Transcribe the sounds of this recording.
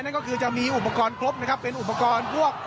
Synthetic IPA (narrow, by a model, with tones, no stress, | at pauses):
jna˥˩nkɔː˥˩kʰɯː˧t͡ɕa˨˩ʔmiː˧ʔu˨˩pːa˧kɔː˧nkʰo˦˥p̚na˦˥kʰa˦˥pːe˧nʔu˨˩p̬ːa˧kɔː˧npʰu˥˩ək̚